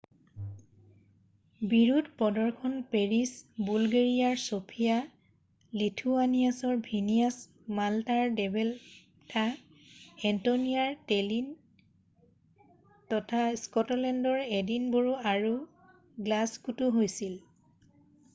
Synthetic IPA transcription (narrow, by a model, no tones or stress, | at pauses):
biɹudpɔdɔɹkʰɔnpeɹisbulɡeɹijaɹsopʰija | litʰuanijasɔɹbʱinijas | maltaɹdɛbɛl | tʰa | ɛntoniaɹtelin | tɔtʰaskɔtɔlɛndɔɹedinboɹuaɹu | ɡlaskutuɦojsil